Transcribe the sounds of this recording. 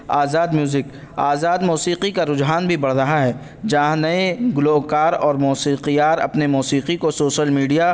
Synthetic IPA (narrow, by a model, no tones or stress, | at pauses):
aːzaːd̪mjuːzɪk | a̰ːzaːd̪muːsiːqikaɾʊd͡ʒɦaːnbʱibɐɽ̤ɾɐɦaɦɛː | d͡ʒɐãnɐẽɡʊloːkaːɾɔːɾmuːsiːqijaːɾɐ̰pnemuːsiːqikosoːʃəlmiːɖija